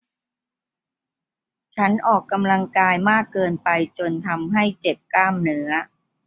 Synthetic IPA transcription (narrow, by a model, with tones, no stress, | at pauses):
t͡ɕʰa˦˥nʔɔː˨˩kːa˧mla˧ŋkaː˧jmaː˥˩kːɤː˧npa˧jt͡ɕo˧nt̪ʰa˧mɦa˥˩jt͡ɕe˨˩p̚kaː˥˩mnɯ˦˥ɐ